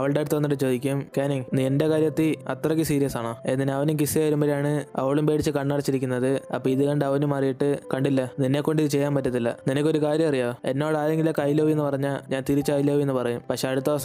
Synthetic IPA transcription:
ɐʋɐɭɖejɽut̪ːʋɐnːiʈːɨt͡ɕo̞ːðikʲːumkeːniŋniende̞kaːɾjɐt̪ːiɐ̰t̪ːrɐkːɨsiːɾijɐsaːɳoːenːineɐʋɐnumkisiajɐɾumbɐɾejaːɳɨɐ̰ʋɐɭumpe̞ːʈit͡ɕːɨkɐɳːaːɽit͡ɕːiɾikʲːunːɐðɨɐ̰pːoiðɨkɐɳɖɐʋɐnumɐrijiʈːɨkɐɳɖilːɐninːe̞ːkːo̞ɳɖiðɨt͡ɕejːaːmpɐtːɐðilːɐ̰ninɐkʲːo̞ɾukaːɾjɐmɐrijaːe̞nːoːɭaːle̞ŋɡilokːɐjiloːʋienːɨpɐrɐɲːaːɭɲaːnt̪iɾit͡ɕːɐjiloːʋie̞nːɨpɐrɐjumpɐkʂe̞ɐɽut̪ːɐʋɐsɐ

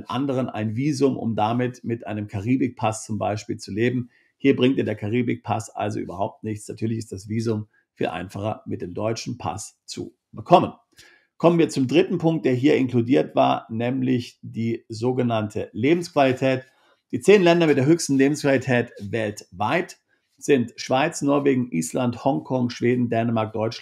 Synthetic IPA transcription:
nʔa̰ndəʁ̞ənʔa̰ɪnviːzʊmʔʊ̰mdamɪtmɪtʔaɪnəmkʰaʁiːbɪk̚pʰast͡sʊmba̰ɪʃpiːlt͡suleːbm̩ | hiːɐbʁɪŋtjaːɐdeːɐkʰaʁ̞iːbɪk̚pʰa̰sʔa̰lzo̰ʔy̰ːbɐhaʊp̚tnɪçt͡snatʰyːɐlɪçɪstd̥asv̥iːzʊm | fiːlʔa̰ɪnfaχɐmɪt̚d̥eːmdɔʏt͡ʃn̩pʰa̰st͡sṵ | b̥əkʰɔmən | kʰɔmənviːɐt͡sʊmdʁɪtn̩pʰʊŋk̚t̚d̥eːɐɦiːɐɪnkludiːɐtv̥a̰ːɐnɛːmlɪçd̥iːzoːɡənantʰəleːbm̩skv̥alitʰɛːt | d̥iːt͡seːnlɛndɐmɪt̚d̥eːɐɦøːçstn̩leːbm̩skv̥alitʰɛːtvɛltvaɪt | z̥ɪntʃv̥aɪt͡snɔɐveːɡŋ̩ʔiːslanthɔŋkʰɔŋʃv̥eːdn̩dɛːnəmaɐk̚d̥ɔʏt͡ʃ

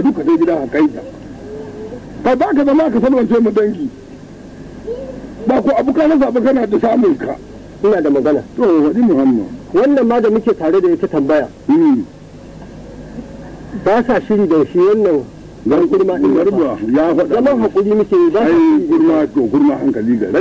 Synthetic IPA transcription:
dukataɡʲɪdaŋhakʼajda̰ | kabaːkazɐmaakasɐlwɐnt͡ʃeːmadɐŋɡʲiː | baːkʷoʔabukanas̬aːbakɐnaːdasaːmʊŋka̰ | ʔɪnaːdamɐɡɐnaːtohaɗiːmʊhamːa̰wɐnːɐmːaːdamʊkʲeːtaːɽedaʔɪtatɐmbɐjaːm | baːsaʃɪɽiːdɐnʃiːwɐnːɐŋ | ɡɐŋɡʷʊɽmaːʔɪŋɡɐɾbajaːhaɗazɐmɐŋɦakʷʼʊɽiːmʊkʲeːjiːbaːaʃiɡʊɾmaːtoɡʷʊɽmaːhaŋkɐliːɡɐ̰ɽe

